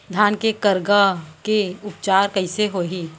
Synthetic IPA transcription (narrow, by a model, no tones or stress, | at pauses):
d̪ʱjaːnkekəɾɡakeʊpt͡ʃaːɾkəɪseɦoːɦiː